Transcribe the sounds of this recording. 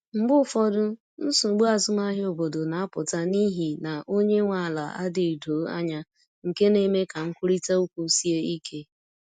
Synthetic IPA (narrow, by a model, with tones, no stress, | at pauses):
ŋ͡m̩˨ɡ͡bʊ˦fɔ˦dʊ˦ | n̩˦sʊ˨ɡ͡bu˦a˨zʊ˦ma˦ɦɪ˦o˨bo˨do˨na˨a˦pʊ˨ta˦ni˦ɦi˨na˨ʔo˦ɲe˦ŋʷa˨a˨la̰˨a̰˦dɪ˨do˨˦a̰˦ɲa˦ | ŋ̩˨ke˦ne˨me˦ka˨ŋ̩˦kʷu˦ɾi˦ta˦u˦kʷu˦si˦e˦i˦kʰe˦